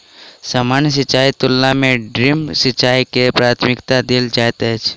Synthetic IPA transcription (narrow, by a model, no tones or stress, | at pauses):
səmans̬ɪt͡ʃaːit̪ʊlːamẽɖɾɪmsɪt͡ʃaːikepɾaːt̪ʰmɪkt̪ad̪ɪld͡ʒajt̪et͡ʃʰ